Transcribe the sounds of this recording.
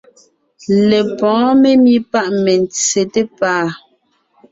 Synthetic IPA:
le˨pɔ̃ː˨˦me˦mi˦pa˦ʔmɛ˨n˨t͡se˨te˦paː˦˨

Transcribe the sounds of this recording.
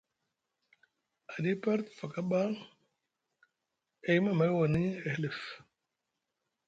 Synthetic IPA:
a˨di˦pa˦ɾt̪fa˨ka˦ba˦ | e˨jma˨ma˨˦jwa˨ni˦e˨hli˨f

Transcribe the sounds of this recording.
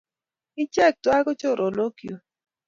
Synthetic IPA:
ɪ˦t͡ʃɛ˦˨k̚twa˦ɡo˦t͡ʃo˦˨ɾʔo˨lo˦ki˨o˨

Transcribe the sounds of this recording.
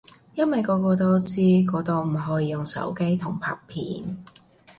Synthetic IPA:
jɐ˥nwɐ˨jkɔː˨˧kɔː˧t̪o˥wt͡siː˥kɔː˨˧t̪o˧wm̩˨˩ɦɔː˨˥jiː˨˧jʊ˨ŋsɐ̰˨˥wke˥jt̪ʰʊ˨˩ŋpʰɐ̰ː˨˧˩k̚pʰḭː˨˥n

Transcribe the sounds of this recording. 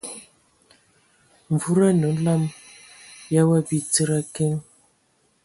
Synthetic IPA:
ɱ˨vu˦ɾa˦nə˨˦la˦˨m | ja˦wa˦bi˨t͡sə˦ɾa˦ke˦ŋ

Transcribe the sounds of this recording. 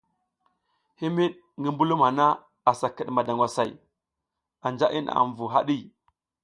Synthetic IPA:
hi˦mi˦ɗ | ŋɡi˦mbu˦lu˦ma˨na˦ | a˨sa˨kə˨ɗma˨da˨ŋɡʷwa˨sa˨j | a˨nd͡ʒa˦ʔi˦na̰˨ɱvu˨ɦa̰˦ɗi˦˨

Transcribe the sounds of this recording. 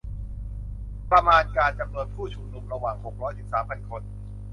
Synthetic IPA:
pɾa˧maː˧nkaː˧nt͡ɕa˨mnuː˧ənkʰuː˥˩t͡ɕʰu˧mnu˨˩˦mɾa˧waː˨˩ŋho˨˩k̚ɾɔː˦˥jsi˨˩p̚saː˩˦mpʰa˧˩nkʰo˧n

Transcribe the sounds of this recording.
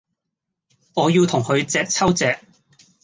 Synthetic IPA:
ŋɔː˨˧jiː˧wt̪ʰʊ˨˩ŋhɵ˨˧ɥt͡sɛː˧k̚t͡sʰɐ˥wt͡sɛː˧k̚

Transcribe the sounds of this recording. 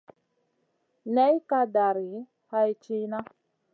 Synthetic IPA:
nɛ˦jka˧da˨ɾi˨˦ | ha˦i˦t͡ʃi˦na˦

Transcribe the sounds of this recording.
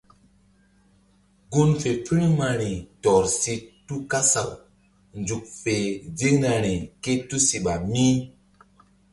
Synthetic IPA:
ɡu˦nfe˨pi˦ɾi˦ma˨ɾi˨tɔ˨ɾsi˧tːu˦ka˦sa˨w | nd͡ʒu˨k̚fe˨vi˦ŋ˦na˨ɾi˨ke˦tu˦si˨ɓa˨mi˦

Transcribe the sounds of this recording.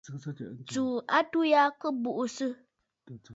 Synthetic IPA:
t͡su˨a˦tu˦ja˦kɨ˦bu˨ʔu˨sɨ˦

